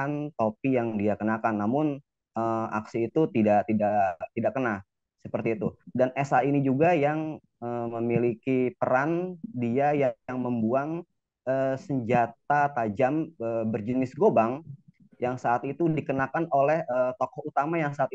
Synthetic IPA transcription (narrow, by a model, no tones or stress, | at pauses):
ant̪opijaŋdiakənakanːamʊn | əa̰ksiːt̪ut̪idaʔt̪idat̪idakəna | səpərt̪iːt̪udanɛsainid͡ʒuɡajaŋ | əməmilikipəɾandiajaaŋməmbuaŋ | əsəɲd͡ʒat̪̚at̪ad͡ʒaməbərd͡ʒənɪsɡobaŋ | jaŋsaːt̪̚it̪udikənakanolɛhət̪ɔkɔhut̪amajaŋsaːt̪̚